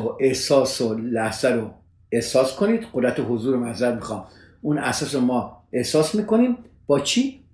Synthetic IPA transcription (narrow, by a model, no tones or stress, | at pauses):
oʔehsɒːsolæhz̥æɾo | e̞hsɒːskʰo̞niːd̪̥ɢ̥od̪ɾæt̪ʰeɦozuːɾemæzæɾmixɒːm | unæsɒːsɾomɒːe̞hsɒːsmiːko̞niːm | b̥ɒːt͡ʃʰiː